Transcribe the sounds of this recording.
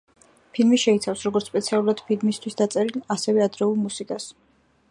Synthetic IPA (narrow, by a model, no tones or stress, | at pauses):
pʰilmiʃɛit̪sʰafsɾɔɡɔɾt̪spʼɛt̪sʰialˠuɾad̪̥pʰilmist̪ʰwisd̪at̪sʼɛɾilasɛvɛad̪ɾɛulˠmusikʼas